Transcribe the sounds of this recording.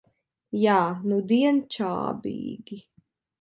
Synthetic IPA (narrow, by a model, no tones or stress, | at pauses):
jaːnud̪iɛnt͡ʃa̰ːbḭːɡi